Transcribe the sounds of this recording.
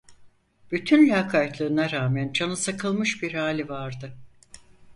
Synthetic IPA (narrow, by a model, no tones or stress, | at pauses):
b̥yt̪ʰynlʲakʰat̪lʲˠɯɾɯnaɾaːmænd͡ʒanɯsakʰɯlˠmɯʃbiɾhaːlʲivaɾd̪ɯ